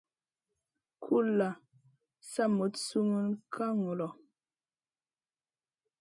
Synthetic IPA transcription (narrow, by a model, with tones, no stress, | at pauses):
kʰu˦la˨ | sa˦mo˨˦tsu˦mu˦nkʰa˦ŋo˨lɔ˨